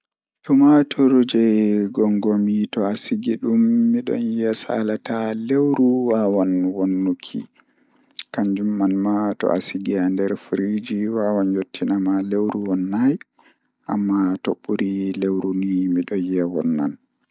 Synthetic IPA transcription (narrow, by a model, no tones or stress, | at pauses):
tumatʰɔɾd͡ʒɛɡɔŋɡɔmitɔasiɡiɗumːiɗɔ̰njɛsa̰latalewɾuwawanwonːukʰḭ | kaɲd͡ʒumːanmatɔ̰ʔasiɡiandɛɾfɾid͡ʒiwawanjotʰːinamalewɾuwɔnːaj | ʔa̰mːatoɓːuɾilewɾunimiɗɔnjɛwɔ̰nːa̰n